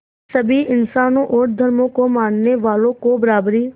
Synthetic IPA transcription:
sɐbʱiɪnsaːnõʔoːɾd̪ʱɐɾmõkomãːnneʋaːlõkobɐɾaːbɾi

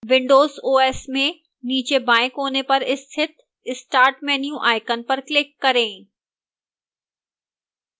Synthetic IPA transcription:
ʋɪ̃ɳɖoːzoːeːsmẽ | niːt͡ɕebaːɪkɦoːnepɐɾɪst̪ʰɪt̪̚ʰ | ɪsʈaːɾʈmẽnjũʔaːɪkənpɐɾklɪkːɐɾẽː

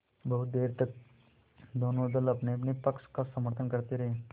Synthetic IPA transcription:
bɐɦut̪̚d̪eːɾt̪ək̚ | d̪ʱonod̪əlɐpneɐpnipɐkskasəməɾt̪ʰənkəɾt̪eɾɐɦẽ

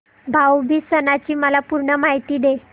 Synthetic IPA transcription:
bʱawbʱiːsənat͡ɕiːməlapuɾɳəmaɦit̪iːd̪e

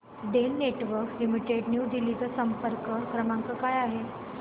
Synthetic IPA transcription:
ɖelneʈʋəɾklimiʈeɖnjuːd̪ilit̪əsəmpəɾkəkʰɾəmaŋkəkajaɦe

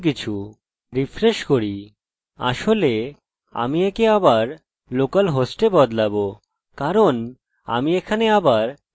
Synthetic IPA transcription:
k̬it͡ɕʰu | ɾifɾeʃkoɾi | a̰ʃole | a̰miekeabaɾ | lokalɦosʈebɔd̪labo | kaɾon | a̰miekʰaneabaɾ

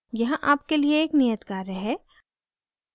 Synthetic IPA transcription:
jɐɦãʔaːp̚kelieeːknijət̪ɡaːɾəɦɛː

